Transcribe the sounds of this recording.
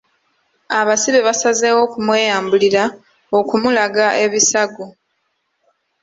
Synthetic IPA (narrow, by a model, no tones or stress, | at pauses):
aβasiβe̞βasazeːwo̞kumwe̞ːjaːmbuliɾa | okumulaɡaʔe̞βisaɡo